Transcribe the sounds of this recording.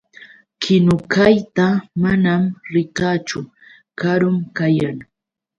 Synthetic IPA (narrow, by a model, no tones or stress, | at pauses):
kʰɪnʊkajt̪amanamɾɪkaːt͡ʃʊ | kaɾʊmkajaŋ